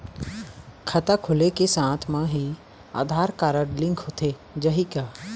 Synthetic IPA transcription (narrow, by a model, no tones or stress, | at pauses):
kʰət̪akʰʊlekesãːt̪ʰmãɦi | a̰ːd̪ʱaːɾkaːɾəɽlɪ̃ŋkʰɦot̪ʰe | d͡ʒəɦikaː